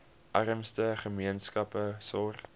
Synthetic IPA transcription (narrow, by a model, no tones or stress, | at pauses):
ʔɐrəmstəχəmiənskɐpəsɔr